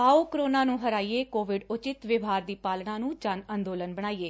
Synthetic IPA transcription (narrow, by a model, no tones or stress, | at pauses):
aːoːkɾoːnaːnũːɦəɾaːiːeːkoːʋɪɖʊt͡ʃɪt̪ʋɪʋaːɾd̪iːpaːlɽãːnũːd͡ʒanənd̪oːlənbəɽ̃aːiːeː